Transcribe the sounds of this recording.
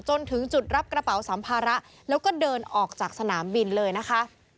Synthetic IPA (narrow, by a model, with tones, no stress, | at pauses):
t͡ɕo˧nt̪ʰɯ˩˦ŋt͡ɕu˨˩t̪̚ɾa˦˥p̚kɾa˧pa˩˦wsa˩˦mpʰaː˧ɾa˦˥ʔ | lɛː˦˥wkɔː˥˩dɤː˧nʔɔː˨˩k̚t͡ɕaː˨˩k̚sa˧naː˩˦mbi˧nlɤː˧jna˦˥kʰa˦˥ʔ